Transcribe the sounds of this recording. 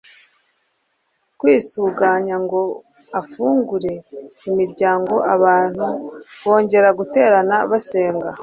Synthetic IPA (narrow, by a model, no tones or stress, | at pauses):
kwiːsuɡaɲaŋɡo̞ | afuːŋɡuɾe̞imiɾɟaːŋɡo̞ʔaβaːn̥huβo̞ːɲɟe̞ɾaɡute̞ːɾanaβase̞ːŋɡa